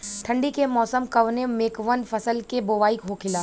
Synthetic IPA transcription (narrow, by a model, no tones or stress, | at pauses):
ʈʰɐ̃ɳɖikemɔːsəmkɐʋnemeːkʋənfɐsəlkeboːʋaːikɦokʰɪlaː